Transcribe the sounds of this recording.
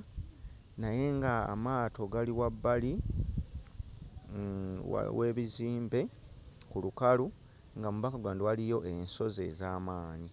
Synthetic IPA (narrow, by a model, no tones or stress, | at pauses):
naje̞ŋɡa̰ːmaːto̞ɡaliwabːali | w̰we̞ːβiziːmbe̞ | kulukalu | ŋɡamuβakaɡwaːndiwalijo̞ʔe̞nso̞ze̞zaːmaːɲi